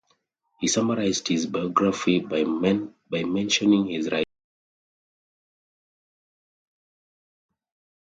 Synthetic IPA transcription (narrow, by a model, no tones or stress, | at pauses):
hisaməɹaɪzdhizbajɔɡɹafibabajmɛ̃nʃɔ̃nĩŋhizɹaɪt